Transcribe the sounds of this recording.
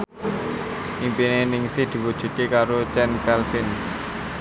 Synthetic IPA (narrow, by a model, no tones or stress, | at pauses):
ʔimpinenɪŋsɪhd̪̥i̤wud̥ʒ̥ṳt̪̚kekaɾot͡ʃɛnkɛlfɪn